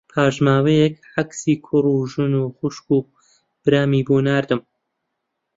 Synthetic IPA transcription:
pʰaːʒmaːwejɛkʕaksiːkʰʊruːʒɨnuːxʊʃkuː | b̥ɨɾaːmiːbuːnaːɾd̪ɨm

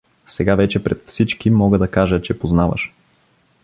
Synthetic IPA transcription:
sɛɡavɛt͡ʃɛpɾɛt̪fsit͡ʃkimɔɡəd̪ɐkaʒət͡ʃɛpoznavə̰ʃ

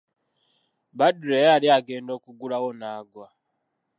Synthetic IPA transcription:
baduɾejaliaɡeːndo̞ːkuɡulawonaːɡwa

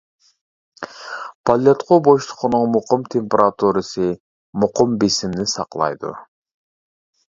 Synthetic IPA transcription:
pʰalʲot̪qʰobojʃt̪ʊ̥qunuɴmuqumt̪ʲʰemʲpʲeɾat̪uɾəsɨ | muqumbisimnisɑ̰qlˠɑ̰jd̪ṵ

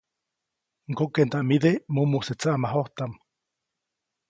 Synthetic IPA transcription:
ŋkokent̪aʔmiðemumuset͡saʔamaɦoht̪am

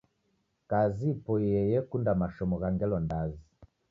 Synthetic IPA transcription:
kazipɔɛjɛkundamaʃɔmɔɣaŋɡɛlɔndazi

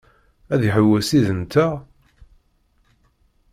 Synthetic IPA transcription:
æðjəħəwːæsiðənt̪æ

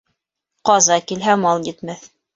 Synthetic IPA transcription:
qɑzɑkilɦæmɑlˠjɘt̪mæθ

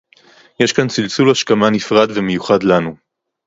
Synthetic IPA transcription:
je̞ʃkant͡silt͡sulhaʃkamanifʁad̪veme̞juχad̪lanu

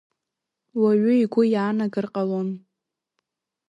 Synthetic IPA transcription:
waɥʊiɡʷʊjaːnaɡɨrqʼalon

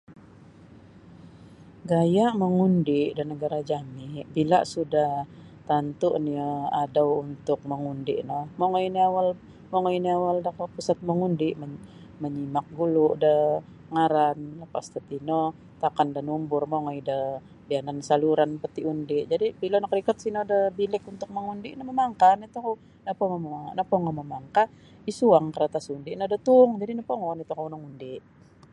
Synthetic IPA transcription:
ɡajaʔməŋundɪʔdanəɡaɾad͡ʒamɪbila̰sudah | t̪ant̪uʔniəadawunt̪ʊk̚məŋundɪʔnɔhmoŋoiniawal | moŋoiniawaldakapusat̪̚məŋundɪʔmə | məɲimak̚ɡulʊʔdə | ŋaɾanləpast̪at̪ino | t̪akandənumbʊrmoŋoidə | bianansaluɾanpət̪iundɪʔd͡ʒadibilonakɾikat̪̚sinodəbilɪkunt̪ʊk̚məŋundiʔnəməmaŋkanit̪uka | napomomnapoŋɔməmaŋka | isuaŋkəɾat̪asundiʔnodət̪uŋd͡ʒadinapoŋɔnit̪ukawnaŋundɪʔ

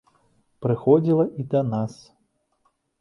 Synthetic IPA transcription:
pɾɨxɔd͡zʲilˠɐʔid̪ɐnas

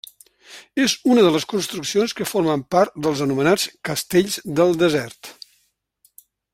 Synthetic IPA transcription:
ezunəðələskunst̪ɾuksionskəfoɾməmpaɾt̪̚d̪əlˠzənumənat͡skəst̪eʎzd̪əlˠd̪əzɛrt̪

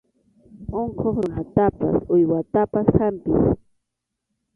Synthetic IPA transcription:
oɴqʰoχɾʊnat̪apa̰sʊjwat̪apashampɪ̰s

